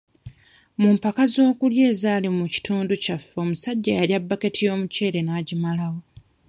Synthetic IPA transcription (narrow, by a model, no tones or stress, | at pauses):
mumpakazo̞ːkulje̞ːzaːlimuci̥tʰuːnducafːeomusaɟːajaljabːake̞tʰijo̞ːmuce̞ːɾe̞naːɟimalawo̞